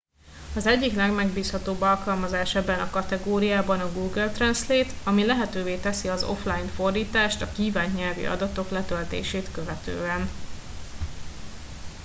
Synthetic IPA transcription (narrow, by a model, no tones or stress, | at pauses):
ɒzɛɟːiklɛɡmɛɡbiːshɒt̪oːbːɒlkɒlmɒzaːʃɛbːɛnɒkɒt̪ɛɡoːɾijaːbɒnɒɡuːɡɛlt̪rɛnsleːt̪ɒmilɛɦɛt̪øːveːt̪ɛsiɒzo̞̰flajinfo̞rd̪iːt̪aːʃt̪ɒkiːvaːɲɲɛlvḭʔɒ̰d̪ɒt̪o̞klɛt̪ølt̪ḛːʃeːt̪køvɛt̪ø̰ːɛn